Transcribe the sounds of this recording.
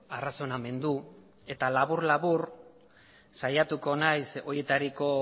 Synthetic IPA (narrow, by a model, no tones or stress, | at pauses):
araso̞name̞nd̪u | e̞t̪alaβuɾlaβuɾ | sajat̪uko̞najso̞je̞t̪aɾiko̞